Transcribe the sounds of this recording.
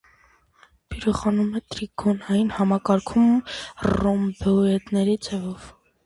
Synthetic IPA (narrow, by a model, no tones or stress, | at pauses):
pʰiɾuχɑnumɛt̪ɾikʰɔnɑjinhɑmɑkɑɾkʰumrɔmbɔɛt̪nɛɾid͡zʰɛvɔv